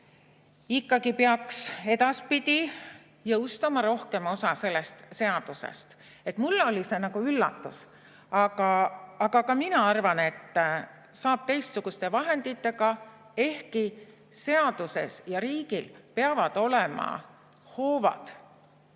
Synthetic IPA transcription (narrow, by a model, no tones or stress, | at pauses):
ikːɑɡipeɑkse̞d̪̥ɑspid̪̥ʲi | jɤwst̪ɑmɑɾo̞hke̞mo̞sɑse̞lːe̞st̪se̞ɑd̪̥use̞̰st̪ | e̞t̪mulːo̞lʲise̞nɑɡ̥uylːɑ̰t̪ːˑus | ɑɡɑːɡ̥ɑkɑminɑɑrvɑne̞t̪ː | sɑːb̥̚t̪ejst̪suɡ̥ust̪e̞vɑɦe̞nd̪it̪ːˑe̞ɡɑ | e̞hki | se̞ɑd̪̥use̞sjɑɾiːɡ̥ilpeɑvɑd̪̥o̞lemɑ̰ | ho̞ːvɑ̰d̪̥